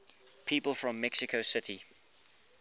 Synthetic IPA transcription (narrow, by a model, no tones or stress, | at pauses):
pʰiːˑpəlˠfɹə̃mːɛksɪkʰosɪtʰi